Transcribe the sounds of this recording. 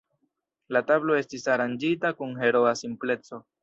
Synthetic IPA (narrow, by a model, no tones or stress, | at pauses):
latablo̞e̞stisaɾand͡ʒitakunɦe̞ɾo̞asimple̞t͡so̞